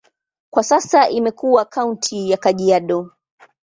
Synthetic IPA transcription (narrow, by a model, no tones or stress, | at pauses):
kwasasaʔimɛkuwakauntʰijakaʄiaɗɔ